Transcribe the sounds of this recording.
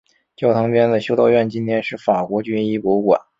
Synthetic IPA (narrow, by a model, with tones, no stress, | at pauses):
t͡ɕjɑ˥˩ʊt̪ʰɤ˧˥ŋpjɛ˥nd̪ə˨˩ɕjo˥ʊt̪o˥˧ʊɥɛ˥˩nt͡ɕi˥nt̪ʰjɛ˥nʂɻ̩˥˩fa˨˩kwɔ˧˥t͡ɕy˥ni˥˩pɔ˧˥˧kwa̰˨˩˦n